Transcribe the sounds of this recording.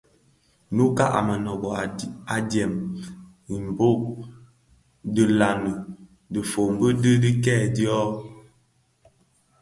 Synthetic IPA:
nu˦ka˦ʔa̰˨mə˨nɔ˨ɡɔ˨a˨a˨djɛ˨m | i˨m˨bo˦ʔ | də˨la˨nə˨ | də˨fo˨m˦bə˦də˦di˦kɛː˦˨djɔ˦

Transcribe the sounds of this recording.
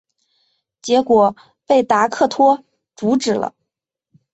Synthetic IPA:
t͡ɕjɛ˧˥kwɔ˨˩ | pe˥˩ɪt̪a˧˥kʰɤ˥˩t̪ʰwɔ˥ | t͡su˧˥ʈ͡ʂɻ̩˨˩lə̰˦

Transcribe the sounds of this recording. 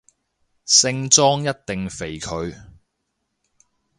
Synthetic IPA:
sɪ˧ŋt͡sɔː˥ŋjɐ˥t̚t̪ɪ˨ŋfe˨˩jkʰɵ˨˧ɥ

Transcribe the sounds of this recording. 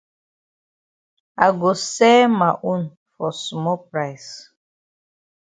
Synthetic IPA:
a̰˨ɡo˨sɛ˦ma˨ʔu˦n | fɔ˨smɔ˦pɾa˦js

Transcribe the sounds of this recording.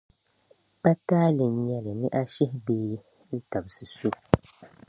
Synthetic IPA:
pa˦taː˦lɨ˨n˨ɲɛ˦lɨ˨nɨ˦ʔa˦ʃɪ˦hbeː˦ | n̩˦ta˨bɨ˨sɨ˨su˦

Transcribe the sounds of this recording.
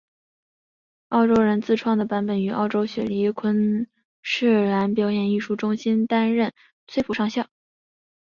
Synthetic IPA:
ɑ˥˧ʊʈ͡ʂo˥ʊɻə˧˥nt͡sɹ̩˥˧ʈ͡ʂʰwɑ˥˩ŋd̪ə˩pa˧˥npə˨˩ny˧˥ʔɑ̰˥˧ʊʈ͡ʂo˥ʊɕɥɛ̰˨˩li˧˥kʰwə˥n | ʂɻ̩˥˩la˧˥npjɑ˧˥ʊjɛ˧˩ni˥˧ʂu˥˩ʈ͡ʂʊ˥ŋɕi˥nt̪a˥nɻə˥˩n | t͡sʰwe˥˧ɪfu˥ʂɑ˥˧ŋɕjɑ˥˩ʊ

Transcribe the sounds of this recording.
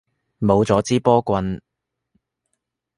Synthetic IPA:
mo˨˧wt͡sɔː˨˥t͡siː˥pɔː˥kʷɐ˧n

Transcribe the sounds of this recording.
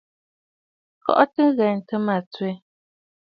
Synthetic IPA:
kɔ̰˦ʔɔ˦tɨ˦ɣɛ˨n̩˨tə˦ma˨t͡swe˦

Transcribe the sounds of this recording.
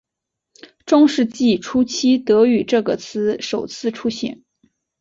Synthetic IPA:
ʈ͡ʂʊ˥ŋʂɻ̩˥˧t͡ɕi˥˩ʈ͡ʂʰu˥t͡ɕʰi˥t̪ɤ˧˥y˨˩ʈ͡ʂɤ˥˩ɡə˩t͡sʰɹ̩˥ʂo˨˩ʊt͡sʰɹ̩˥˧ʈ͡ʂʰu˥ɕḭ˧˥˩n

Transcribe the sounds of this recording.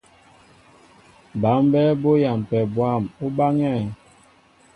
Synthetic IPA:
ba˨˦m˦bɛ˦bo˦ja˨m˨pɛ˨bwa˦˨mu˦ba˦ŋɛ˦˨

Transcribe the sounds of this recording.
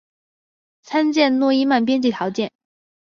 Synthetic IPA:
t͡sʰa˥nt͡ɕjɛ˥˧nnwɔ˥˧i˥ma˥˩np̬jɛ˥nt͡ɕi˥˩t̪ʰjɑ˧˥ʊt͡ɕjɛ˥˩n

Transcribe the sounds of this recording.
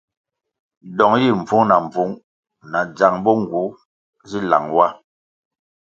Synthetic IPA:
dɔ˨ŋji˦˨ɱ̩˨b͡vu˨˦ŋna˨ɱ˨b͡vu˨˦ŋ | na˨d͡za˨ŋbɔ˦ŋ˨ɡu˨˦ | zi˦la̰˨ŋwa˦

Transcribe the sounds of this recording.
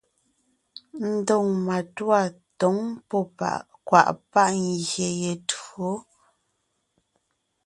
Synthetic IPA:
n̩˦dɔ˦˨ŋma˨twa˦˨ | tɔ˨˦ŋpɔ˦˨pa̰˨kwa̰˨ʔpa˦ʔŋ˨ɡje˨je˨to˨˦

